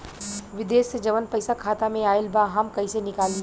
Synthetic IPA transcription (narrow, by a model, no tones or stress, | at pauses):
ʋɪd̪eːʃːed͡ʒɐʋənpɐɪsakʰaːt̪amẽaːɪlbaɦɐmkɐɦĩsenɪkaːlĩ